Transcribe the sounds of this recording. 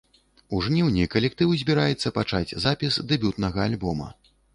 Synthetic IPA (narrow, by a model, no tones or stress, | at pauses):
uʐnʲɛwnʲikɐlʲɛk̚t̪ɨwzʲbʲiɾajɛt̪sːɐpat͡ʂad͡zʲzapʲisd̪ɛbʲut̪nɐɣɐalʲbɔmɐ̰